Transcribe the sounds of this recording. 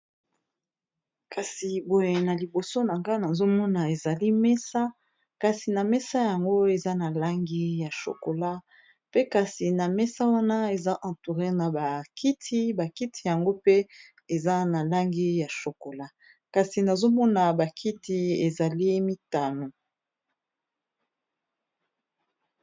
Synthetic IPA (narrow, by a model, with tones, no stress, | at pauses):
ka˨si˨bo˨je˨na˨li˨bo˨so˦na˨ŋɡa˦na˨zo˦mɔ˦na˨e˨za˨li˦mɛ˦sa˦ | ka˨si˨na˨mɛ˦sa˦ja˨ŋɡo˦e˨za˦na˨la˦ŋɡi˦ja˨ʃo̰˨ko˨la˦ | pe˦ka˨si˨na˨mɛ˦sa˦wa˦na˦e˨za˦ʔã˨tu˨ʁe˦na˨ba˨ki˦tʰi˦ba˨ki˦tʰi˨ja˨ŋɡo˦pe˦ | e˨za˦na˨la˦ŋɡi˦ja˨ʃo˨ko˨la˦ | ka˨si˨na˨zo˦mɔ˦na˨ba˨kʰi˦ti˨e˨za˨li˦mi˦ta˨no˨